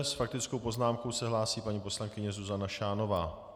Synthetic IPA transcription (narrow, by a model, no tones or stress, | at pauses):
sfak̚t̪ɪt͡sko̞wpo̞znaːmko̞wsɛɦlaːsiːpaɲipo̞slaŋkɪɲɛzuzanaʃaːno̞vaː